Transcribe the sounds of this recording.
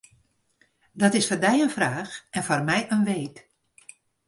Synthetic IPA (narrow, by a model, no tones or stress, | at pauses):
dɔtɪsfɔrdɛjənfraːxɛnfɔrmɛjʔənʋeːt